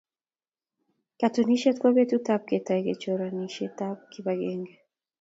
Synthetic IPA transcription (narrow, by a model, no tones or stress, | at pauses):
katuniʃɛtkwɔβetutap̚kɛtaiɡɛt͡ʃɔɾaniʃɛtap̚kiβaɡɛŋɡɛ